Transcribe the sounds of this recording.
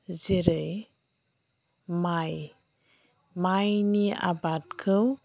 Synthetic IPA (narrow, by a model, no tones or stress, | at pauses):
ziɾɯj | maj | majnia̰bat̚kʰɯw